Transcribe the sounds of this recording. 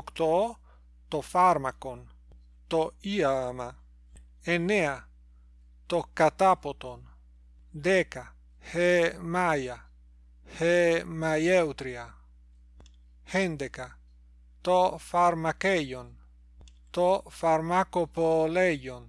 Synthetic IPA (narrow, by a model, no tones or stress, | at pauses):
kt̪o | t̪ofaɾmakon | t̪oiama | enea | t̪okat̪apot̪on | d̪eka | hemaja | hemajewt̪ɾia | hend̪eka | t̪ofaɾmakejon | t̪ofaɾmakopolejon